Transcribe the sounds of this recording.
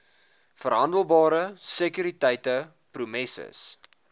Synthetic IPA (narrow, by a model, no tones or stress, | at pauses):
fərɦɐndəlˠbɑːɾəsəkyɾitəjtə | prumɛsə̰s